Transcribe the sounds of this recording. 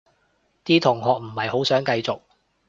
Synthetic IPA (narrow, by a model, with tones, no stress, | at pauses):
t̪iː˥t̪ʰʊ˨˩ŋɦɔː˨k̚m̩˨˩hɐ˨jho˨˥wsœː˨˥ŋkɐ˧jt͡sʊ˨k̚